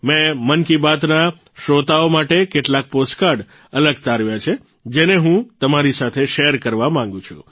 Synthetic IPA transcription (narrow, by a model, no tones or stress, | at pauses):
mɛ̃mənkibat̪na | ʃɾot̪aomaʈekeʈlak̚posʈkaɾɖ | ələɡt̪aɾʋjat͡ʃʰe | d͡ʒeneɦũt̪əmaɾisat̪ʰeʃeɾkəɾʋamãŋ̆ɡũt͡ʃʰṵ̃